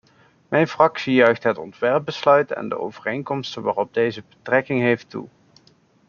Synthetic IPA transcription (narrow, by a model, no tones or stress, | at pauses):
mʔɛjnfrɑksijœɥxtɦətɔ̰ntʋɛrp̚bəslœɥtɛ̰ndə̰o̰wvərejnkɔmstənʋa̰ːrɔb̚dejzəbətrɛkɪŋɦejftṵ